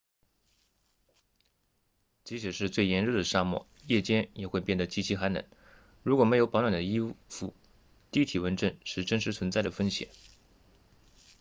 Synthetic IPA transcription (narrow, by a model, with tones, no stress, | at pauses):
t͡ɕi˧˥t͡ɕʰɛ˨˩ʂɻ̩˥˧t͡swe˥˩ɪjɛ˧˥nɻə˥˩d̪ə˩ʂa˥˧mwɔ̰˥˩ | jɛ˥˩t͡ɕjɛ˥njɛ˨˩xwe˥˧ɪpjɛ˥˩nd̪ə˩t͡ɕi˥t͡ɕʰi˧˥xa˧˥nə̰˧˩˥n | ɻu˧˥kwɔ˨˩me˧˥ɪjo˧˥ʊpɑ˧˥t̪wa˨˩nd̪ə˦i˥fu˥˩ | t̪i˥˩t̪ʰi˨˩wə˧˥nʈ͡ʂə˥˧nʂɻ̩˥˩ʈ͡ʂə˥˩ŋʂ̬ɻ̩˧˥t͡sʰwə˧˥nt͡sa˥˩ɪɾə˩fə˥nɕjɛ̰˨˩˦n